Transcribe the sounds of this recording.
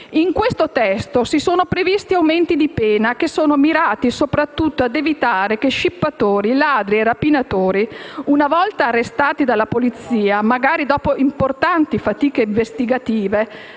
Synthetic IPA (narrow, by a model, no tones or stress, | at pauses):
iŋkwest̪ot̪ɛst̪osisoːnopɾevist̪iawment̪id̪ipɛːnakesːoːnomiɾaːt̪isopɾat̪ːut̪ːoad̪evit̪aːɾekeʃːipːat̪oːɾilaːd̪ɾierapːinat̪oːɾiunavɔlt̪aːrːest̪aːt̪id̪alːapolit̪siːamaɡaːɾid̪ɔːpoʔimport̪ant̪ifat̪iːkeiɱvest̪iɡat̪iːve